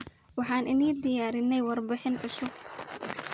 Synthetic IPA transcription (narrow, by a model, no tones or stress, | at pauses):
wɑħɑːnʔɪniːd̪ɪjaːɾɪnːɛjwɑrbɪħɪnʕʊsʊɡ̚